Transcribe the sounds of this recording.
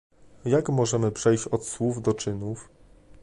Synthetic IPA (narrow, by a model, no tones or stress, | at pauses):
jakmɔʐɛmɘpʂɛjɕt͡ɕɔt̪swuvd̪ɔt͡ʂɘnuf